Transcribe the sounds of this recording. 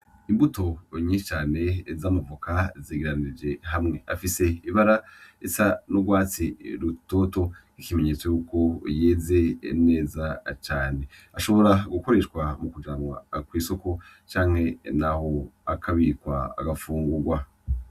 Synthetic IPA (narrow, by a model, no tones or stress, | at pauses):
imbuto̞ɲiʃt͡ʃaːne̞zamavukaziːɡiɾaniid͡ʒe̞ɦamŋe̞afise̞iβaɾaesanuɡwaːt͡siɾuto̞ːto̞ | ikime̞ɲe̞t͡so̞juːko̞jeːze̞̰ne̞ːzat͡ʃaːne̞ | aʃo̞βo̞ɾaɡuko̞ɾe̞ʃkwamukud͡ʒaːmwa̰kwiːso̞ko̞ | t͡ʃaːŋhe̞naho̞akʰaβikwaa̰ɡafuːŋɡuɾɡwa